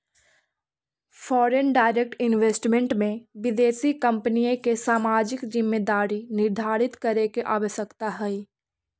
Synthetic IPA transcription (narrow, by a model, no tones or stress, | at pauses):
fʰɔːɾenɖaːɪɾek̚ʈɪnʋeːsʈmẽɳʈmẽʋɪd̪eːsikɐ̃mpnijõkesaːmaːd͡ʒɪkd͡ʒɪmːed̪aːɾinɪɾd̪ʱaːɽɪt̪kɐɾekeʔaːʋəʃəkt̪aɦɛi